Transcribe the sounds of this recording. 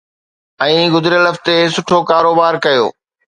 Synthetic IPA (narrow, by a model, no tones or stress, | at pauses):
ɛ̃ːɡʊd̪ʱɾjəlɐft̪esʊʈʰokaːɾoːbaːɾkɐjo̰ː